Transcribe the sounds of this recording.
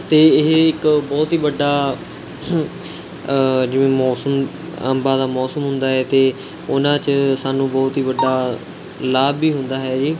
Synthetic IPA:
t̪eːɦɪkbɔːt̪ɦiːʋəɖaː | d͡ʒɪʋẽːmɔːsəm | ə̰mbaːd̪aːmɔːsəmɦʊnd̪aːɦɛːt̪eː | ʊnãːt͡ʃsaːnũːbɔːt̪ɦiːʋəɖaː | laːbiːɦʊnd̪aːɦɛːd͡ʒiː

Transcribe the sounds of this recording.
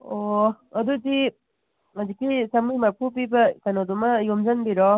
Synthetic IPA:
oɐdudi | ɐzikisɐmimɐɾpʰup̬ibɐkɐnodumɐjomd͡ʒɐnbiɾɔ

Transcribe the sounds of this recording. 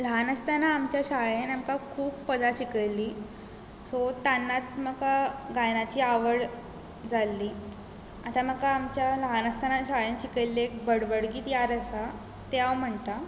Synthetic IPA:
ləɦanəst̪anaːmt͡ɕjaɕaɭenamkakʰuːbpəd͡zaɕikəjlːiː | sɔt̪anːat̪̚məkaɡajnat͡ɕiːaʋəɽ | d͡zalːiː | at̪aməkaːmt͡ɕjaləɦanəst̪anaɕaɭenɕikəjlːeekbəɽbəɽɡiːt̪jaɾəsa | t̪eawm̤əɳt̪a

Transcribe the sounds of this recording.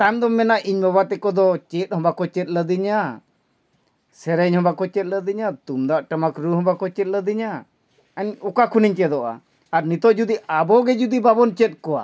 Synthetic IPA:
t̪ajmd̪ɔmɛnaʔiɲmɔbat̪ɛkɔd̪ɔt͡ʃɛt̪̚hɔ̃bakɔt͡ʃɛt̪̚ˀləd̪iɲa | sɛɾɛɲhɔbakɔt͡ʃɛt̪̚ˀləd̪iɲat̪umd̪aʔʈəmakɾuɦɔ̃bakɔt͡ʃɛt̪̚ləd̪iɲa | əɲɔkakʰuniɲt͡ʃɛd̪ɔʔa̰ | aɾnit̪ɔʔd͡ʒud̪iabɔɡɛd͡ʒud̪ibabɔnt͡ʃɛt̪̚ˀkɔwa̰

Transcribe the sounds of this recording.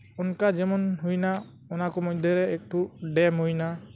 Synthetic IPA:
ɔnkad͡ʒɛmɔnɦujna | ɔnakɔmɔjd̪ʱɔɾɛːk̚ʈuɖɛmɦujna

